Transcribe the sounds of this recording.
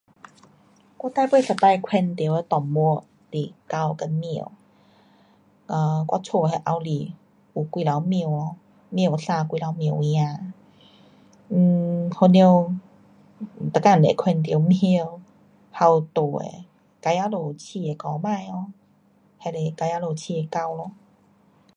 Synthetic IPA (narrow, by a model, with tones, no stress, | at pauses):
kʷwa˧˥˦t̪a˧˨pwe˥˧˨sa˧˩pa˧jkʰwɛ˧nt̪i˨˦we˧˦t̪ɔ˨˩mu˧˦ə | t̪i˨˩ka˧wkə˧nmĩ˧˨ə˨w | ə˧˩kwa˧t͡sʰo˧ɦe˧ʔa˧wli˨˩ | u˨˩kʷi˧la˨˦wmĩ˧˨wɔ˧˦ | mĩ˧ə˨wsa˧kwi˧la˨˧˦wmĩ˧˨˩ə˨j̃ã˧˩ | ho˧ni˧w | t̪a˨kːa˧˨ḛ˨˩kʰwɛ˧nt̪i˨ə˦wm˧˨w | ha˧wt̪o˨˩ḛ˨ | ka˧ja˧˦lo˨˩t͡ɕʰi˧˩e˨˧kɔ˨˦mã˥˧jɔ˧ | he˧˨le˧˩ka˧ja˧˦lo˨˩t͡ɕʰi˧˩e˨˩ka˧wlɔ˧